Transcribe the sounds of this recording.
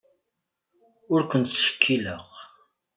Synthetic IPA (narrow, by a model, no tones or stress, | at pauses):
ʊɾkʷənt̪ʃə̥kʰːilə̰ʁ